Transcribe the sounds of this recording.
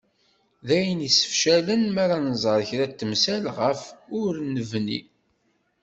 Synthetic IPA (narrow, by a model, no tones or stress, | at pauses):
ðæjənisə̥fʃælənmæɾanzˤəɾˤçɾæt̪ːəmsælʁəfʊɾnːəvnḭ